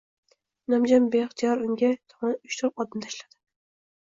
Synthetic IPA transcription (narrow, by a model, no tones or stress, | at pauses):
namd͡ʒambeχt̪ʰijɒɾʊŋɡʲat̪ʰɒmɒnʊt͡ʃt̪ʰʊɾp̚ɒd̪amt̪ʰaʃlad̪̥ɪ